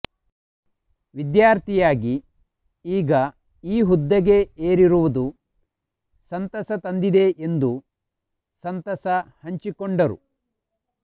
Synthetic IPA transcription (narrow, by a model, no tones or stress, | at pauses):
ʋid̪jaːɾt̪ʰijaːɡi | iːɡɐ | iːɦud̪ːɐɡe̞eːɾiɾuʋud̪u | sɐnt̪ɐsɐt̪ɐnd̪id̪e̞ʔend̪u | sɐnt̪ɐsɐhɐɲt͡ʃikoɳɖɐɾṵ